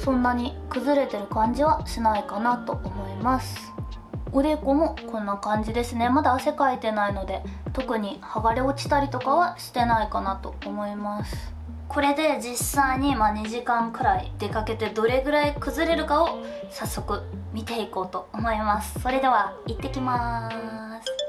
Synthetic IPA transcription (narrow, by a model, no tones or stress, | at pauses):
sõ̞nːaɲ̟ikɯ̟zɨɾe̞t̪e̞ɾɯ̟kãɲ̟d͡ʑiβaɕinaikanat̪o̞ʔːmo̞imasɨ̥ | ɯ̟ɾe̞ko̞mo̞kõ̞nːakãɲ̟d͡ʑid̪e̞sɨne̞mad̪aːse̞kait̪e̞naino̞d̪e̞t̪o̞kɯ̟ɲ̟ihaɡaɾeot͡ɕi̥t̪aɾʲit̪o̞kaβaɕi̥t̪e̞naikanat̪o̞ːmo̞imasɨ̥ | kʰo̞ɾe̞d̪e̞d͡ʑisaiɲ̟imaɲ̟iʑikãŋkɯ̟ɾaḭd̪̥e̞kake̞t̪e̞d̪o̞ɾe̞ɡɯ̟ɾaikɯ̟zɨɾe̞ɾɯ̟kao̞ | sasːo̞kɯ̟mʲit̪e̞iko̞ːt̪o̞ːmo̞imasɨ̥so̞ɾe̞d̪e̞βait̪ːe̞kʲima | sɨ̥